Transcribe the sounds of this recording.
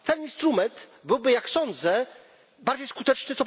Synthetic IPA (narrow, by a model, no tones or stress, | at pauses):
t̪ɛninst̪ɾumɛnt̪bɘwbɘjaksɔnd̪zɛ | baɾd͡ʑejskut̪ɛt͡ʂnɘt̪sɔp